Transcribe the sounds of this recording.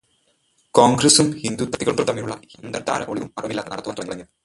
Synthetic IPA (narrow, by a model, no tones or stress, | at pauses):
koːŋɡɾɐsumhind̪ut̪ːɐt̪ːiɣɐɭumt̪ɐt̪ɐmːinuɭːɐhind̪ɐd̪a̰ːɾɐ̰mʔoɭiʋumɐrɐmilːaːt̪ːɐnɐɽɐt̪ːuʋɐnt̪ːuɐŋːɡiɭɐŋːil